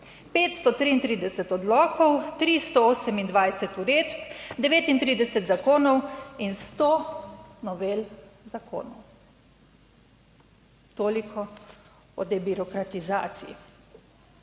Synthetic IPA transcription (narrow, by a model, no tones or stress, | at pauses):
peːt̪st̪ɔt̪ɾiːnt̪ɾiːd̪ɛsɛt̪ɔd̪lɔːkɔwt̪ɾist̪ɔoːsɛmind̪ʋajsɛt̪uɾeːt̪pd̪ɛʋeːt̪int̪ɾiːd̪ɛsɛt̪zakoːnɔwinst̪onɔʋelzakʰo̰ːnɔw | t̪oːlikʰɔ | ɔ̰d̪ɛbiɾɔkɾat̪izaːt̪sijḭ